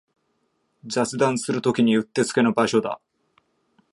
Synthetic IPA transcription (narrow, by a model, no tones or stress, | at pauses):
d͡ʑat͡sɨd̪ãɰ̃sɨɾɯ̟t̪o̞kʲiɲ̟iɯ̟t̪ːe̞t͡sɨ̥ke̞no̞baɕo̞d̪a̰